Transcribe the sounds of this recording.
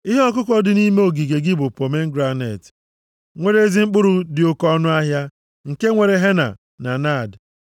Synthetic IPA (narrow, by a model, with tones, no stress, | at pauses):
i˦ɦe˦ɔ˦k̬ʊ˦kʷɔ˦dɪ˨ni˦me˦o˨ɡi˨ɡe˨ɡɪ˦bʊ˨po˨me˦ŋ̩˦ɡɾa˦nḛ˨t | ŋʷe˨ɾe˦e˦zi˦ŋ͡m̩˦k͡pʊ˦ɾʊ˨dɪ˨ʊ˦kɔ˦nʊ˦a˦ɦja˦ | ŋ̩˨ke˦ŋʷe˨ɾe˨ɦe˦na̰˨ | na˨na˦˨d